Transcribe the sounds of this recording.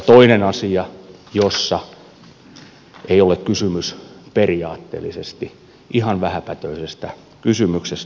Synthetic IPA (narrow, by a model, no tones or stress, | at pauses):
t̪oinenɑsiɑjosːɑ | eiolekkysymysperiɑːt̪ːḛːlːisest̪i | ʔihɑnʋæhæpæt̪øisest̪æ | kysymykses